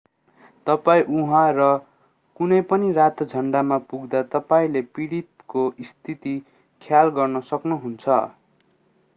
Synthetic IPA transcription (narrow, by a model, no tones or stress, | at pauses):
t̪ʌpaĩʔuɦãrʌ | kunʌjpʌnirat̪d͡zʱʌɳɖamapuɡd̪at̪ʌpaĩlepiɽit̪koist̪ʰit̪i | kʰjalɡʌrnʌsʌknuɦunt͡sʰʌ̰